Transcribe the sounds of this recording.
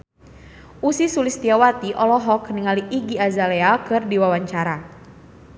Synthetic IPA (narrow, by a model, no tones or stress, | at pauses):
ʔusisulist̪iawat̪iʔɔlɔɦɔkniŋaliʔiɡiazalɛakɨrdiwawaɲt͡ʃaɾa